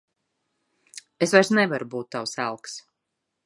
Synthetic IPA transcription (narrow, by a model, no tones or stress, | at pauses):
esvajɾsnɛvaɾubuːt̪ːawsælˠks